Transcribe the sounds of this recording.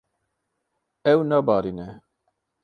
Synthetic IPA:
ɛwnɑbɑːɾinɛ

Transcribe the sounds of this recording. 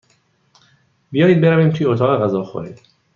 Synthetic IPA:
bijɒːjiːd̪̚be̞ɾæviːmt̪ʰujeot̪ʰɒːɣeɣæzɒːxo̰ɾḭːd̪

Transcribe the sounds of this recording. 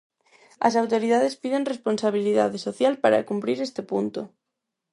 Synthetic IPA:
a̰s̬awt̪oɾiðaðespiðenresponsaβ̞iliðaðesoθjalpaɾa̰kumpɾiɾest̪epunt̪o

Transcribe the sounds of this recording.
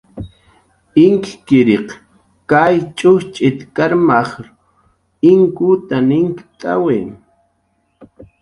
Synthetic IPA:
ɪŋkkɪɾeq | kajt͡ʃʼʊxt͡ʃʼɪt̪kaɾmaχɾ | ɪŋkʊt̪anɪŋkt̪ʼa̰wem

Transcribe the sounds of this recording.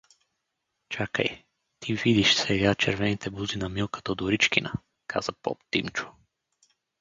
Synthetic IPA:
t͡ʃakə̰j | t̪ʰivid̪iʃsɛɡat͡ʃɛɾvɛnit̪ɛbuzinɐmilˠkə̥t̪od̪oɾit͡ʃkʲinə̰ | kʰa̰z̥əpɔ̰pt̪imt͡ʃʊ̥

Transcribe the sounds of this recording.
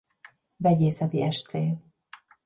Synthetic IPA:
vɛɟeːsɛt̪iɛʃt̪seː

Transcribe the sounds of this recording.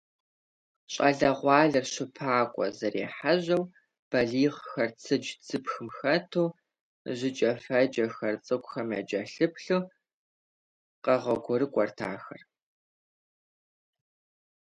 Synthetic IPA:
ɕʼɐɮɐʁʷɑːɮɐrɕɪpʰaːkʷʼɔ̰zɐɾḛːħaʑɐw | b̥ɐɮiːʁxɐrt͡sʰɨd͡ʒt͡sʰɨpxɨmxɐtʰoː | ʑɪt͡ʃʼɐfɐd͡ʒɐxɐrt͡sʼɨkʷʊxɐmɐ̰d͡ʒɐɬɨpɬo | qɐʁɐɡʷɔɾɨkʷʼɔrtʰa̰ːxɐ̰r

